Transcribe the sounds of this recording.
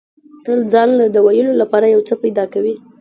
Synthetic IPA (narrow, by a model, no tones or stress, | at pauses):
ʈəld͡zɑnlad̪əwajəlolapɑɾajawt͡səpajd̪ɑkawi